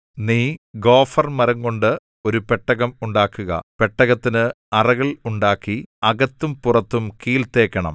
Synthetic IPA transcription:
niːɡo̞ːfɐrmɐɾɐŋko̞ɳɖɨ | o̞ɾupeʈːɐɣɐmuɳɖaːkːuɣɐ̰peʈːɐɣɐt̪ːinɨ | ɐrɐɣɐɭuɳɖaːkːiɐɣɐt̪ːumpurɐt̪ːumkiːlt̪e̞ːkːɐɳɐ̰m

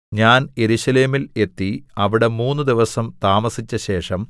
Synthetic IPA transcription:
ɲaːnje̞ɾuɕɐle̞ːmile̞t̪ːiɐʋiɽe̞muːnːɨd̪iʋɐsɐmt̪aːmɐsit͡ɕːɐɕe̞ːʂɐm

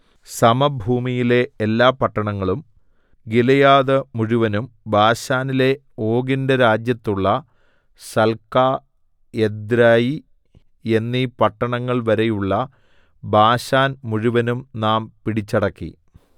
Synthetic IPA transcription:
sɐmɐbʱuːmijile̞ːlːaːpɐʈːɐɳɐŋːɐɭum | ɡilɐjaːðɐmuɻuʋɐnumbʱaːɕaːnile̞ | o̞ːɡindɐɾaːd͡ʑjɐt̪ːuɭːɐ | sɐlkaː | ed̪ɾaːji | e̞nːipɐʈːɐɳɐŋːɐɭʋɐɾejuɭːɐ | bʱaːɕaːnmuɻuʋɐnumnaːmpiɽit͡ɕːɐɽɐkːḭ

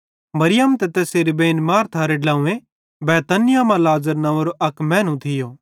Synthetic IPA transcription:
mɐɾɪjəmt̪ɛt̪eːseːɾibẽːnmaːɾt̪ʰaːɾeɖlãːũẽ | bɛːt̪ɐnɪjamãlaːzəɾnɐʋɾoʔɐkmɛ̃ːnũt̪ʰɪjoː

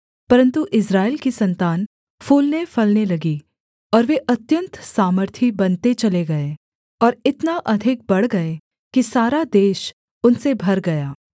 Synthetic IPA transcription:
pɐɾə̃nt̪uʔɪsɾaːelkisɐ̃nt̪aːn | fuːlnefɐlnelɐɡi | ɔːɾʋeʔɐt̪jə̃nt̪saːməɾt̪ʰibɐnt̪et͡ʃɐleɡɐe | ɔːɾɪt̪naʔɐd̪ʱɪk̚bɐɽɡɐe | kisaːɾad̪eːʃ | ʊnsebʱɐɾɡɐjaː

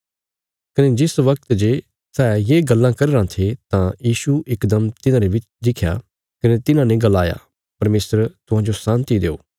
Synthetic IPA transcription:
kɐned͡ʒɪsʋɐk̚t̪d͡ʒe | sɛːjeːɡɐlːãkɐɾeːɾãːt̪ʰet̪ãjiːsuʔɪkd̪əmt̪ɪnãɾeʋɪt͡ʃ | d̪ɪkʰja̰ː | kɐnet̪ɪnãnẽɡɐlːaːja̰ː | pɐɾmeːsəɾt̪ʊɦãːd͡ʒosãːnt̪id̪eːo̰ː

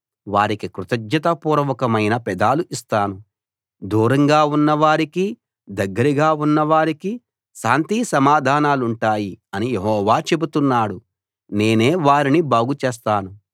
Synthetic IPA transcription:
ʋaːɾikikɾut̪ɐɡɲɐt̪ɐpuːɾɐʋɐkɐmɐjnɐpɛd̪aːluʔist̪aːnu | d̪uːɾɐŋɡaːunːɐʋaːɾiki | d̪ɐɡːɐɾiɡaːunːɐʋaːɾiki | ʃaːnt̪iːsɐmaːd̪ʱaːnaːluɳʈaːjiɐnijeɦɔːʋaːt͡ʃe̞but̪unːaːɽu | ne̞ːne̞ːʋaːɾinibaːɡut͡ʃeːs̬t̪aːnu

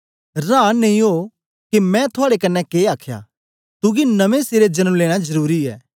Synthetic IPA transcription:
ɾãːnːɐĩɦo | kimɛ̃t̪ʰʊaːɽekɐnːɛkeːaːkʰja̰ | t̪ʊɡinɐmẽseːɾed͡ʒɐnəmleːɽ̃azɐɾuːɾiɛ̰ː

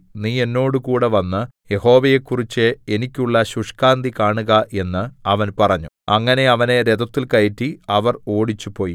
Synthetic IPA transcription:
niːe̞nːo̞ːɽɨkuːɽe̞ʋɐnːɨje̞ho̞ːʋejekːurit͡ɕːɨe̞nikʲːuɭːɐɕuʂkaːnd̪ikaːɳuɣɐʔe̞nːɨɐʋɐnpɐrɐɲːu | ɐŋːɐne̞ɐʋɐne̞ɾed̪ɐt̪ːilkɐjitːiɐʋɐro̞ːɽit͡ɕːupo̞ːji

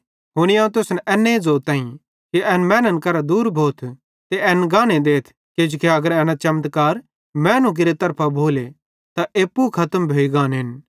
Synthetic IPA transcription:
ɦʊɽ̃iãːũt̪̬ʊsnɛʔɛːnːed͡zoːt̪ãːĩ | kiʔɛːnmɛːnənkɐɾad̪uːɾbʱoːt̪ʰ | t̪eɛːnɡãːɽ̃ed̪eːt̪ʰ | ked͡ʒʊkʰeɐɡəɾɛ̃ːnat͡ʃɐmt̪kaːɾ | mɛːnũk̬ɪɾet̪ɐɾpʰabʱoːle | t̪aʔeːpːukʰɐt̪əmbʱoːiɡãːnɦɪn

